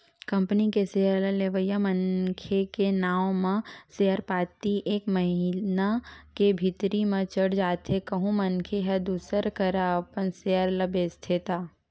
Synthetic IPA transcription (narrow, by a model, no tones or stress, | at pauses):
kɐ̃mpənikeseːəɾləleʋəjamənkʰekenaːõmãseːəɾpaːt̪iʔeːkməɦɪnakebʱɪt̪ɾimãt͡ʃəɽd͡ʒaːt̪ɦekɐɦũmɐnkʰeɦɛd̪uːsəɾkəɾapənseːəɾlɐbest̪ʰɪt̪aː